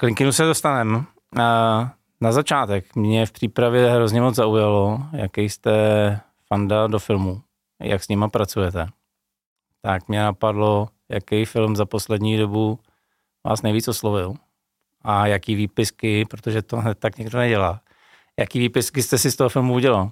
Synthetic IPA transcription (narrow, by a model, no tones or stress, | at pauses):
klɪŋkɪnusɛdost̪anɛm | nazat͡ʃaːt̪ɛkmɲɛfpr̥iːpɾavjɛɦɾozɲɛmod͡zzaujalo̞ja̰kɛjst̪ɛ | fandado̞fɪlmu | ja̰ksɲɪmapɾat͡sujɛt̪ɛ | t̪akmɲɛnapadlo̞ | jakɛjfɪlmzapo̞slɛdɲiːdo̞bu | va̰ːsnejviːt͡soslovɪl | ʔajakiːviːpɪskɪpɾot̪oʒɛt̪onɛt̪t̪ːakɲɛɡdonɛɟɛlaː | jakiːviːpɪskɪst̪ɛsɪst̪o̞ɦofɪlmuuɟɛlal